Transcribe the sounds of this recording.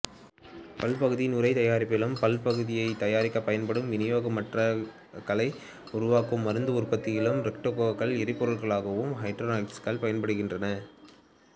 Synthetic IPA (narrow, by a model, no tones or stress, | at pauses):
pɐlpɐɣɯðɪjnʊɾɐɪt̪ɐjaːɾɪpːɪlɐmpɐlpɐɣɯðɪjɐɪt̪ɐjaːɾɪkːɐpːɐjɐnpɐɽɯmʋɪnɪjoːɣɐmɐʈrɐ | kɐlɐɪ | ʊɾʊʋaːkɯmːɐɾɯnd̪ɯʊrpɐt̪ːɪjɪlɯmɾɛk̚ʈokːokːɐɭɪɾɪpːɔɾɐɭɣɐɭaːɣɐʋɯmɦɐɪʈɾonaɪʈskɐɭpɐjɐnpɐɽɯɣɪndrɐnɐ